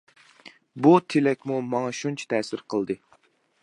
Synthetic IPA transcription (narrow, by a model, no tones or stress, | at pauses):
but̪ʰelɛkʲmumɑŋɑʃunt͡ʃʰɛ̥t̪ʰɛːsɪɾqʰəlˠd̪ɨ